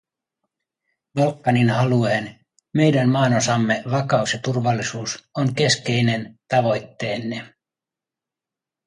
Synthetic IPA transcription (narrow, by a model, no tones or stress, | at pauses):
bɑlkːɑninhɑlueen | me̞jdænmɑːnosɑmːeʋɑkɑusjɑt̪urʋɑlːisuːsoŋke̞ske̞jne̞nt̪ɑʋo̞jt̪ːeːnːe